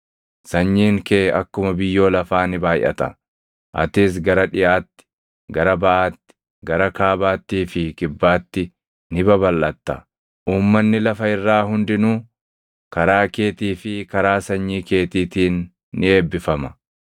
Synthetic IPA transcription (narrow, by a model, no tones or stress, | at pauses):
sɐɲːiːŋkeːɐ̰kːʊmɐbɪjːo̞ːlɐfaːnɪbaːjʔɐ̰t̪ɐ̰ | ʔɐ̰t̪ɪs̬ɡɐɾɐᶑɪʔaːt̪ːɪ̥ | ɡɐɾɐbɐʔaːt̪ːɪ̥ | ɡɐɾɐkaːbaːt̪ːiːfɪkɪbːaːt̪ːɪ | nɪbɐbɐlːɐt̪ːɐ | ʔuːmːɐnːɪlɐfɐɪrːaːɦʊnd̪ɪnuː | kɐɾaːkeːt̪iːfɪkɐɾaːsɐɲːiːke̞ːt̪iːt̪iːnː | ɪe̞ːbːɪfɐmɐ